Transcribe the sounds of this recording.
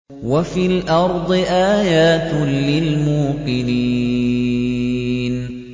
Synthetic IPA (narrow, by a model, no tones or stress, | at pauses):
wafiːlʔɑɾˤd̪ˤɨʔaːjaːt̪lɪlmuːqɪni | n